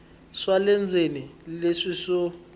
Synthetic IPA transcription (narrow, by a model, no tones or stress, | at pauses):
swalɛnd͡zʱenileʂisɔ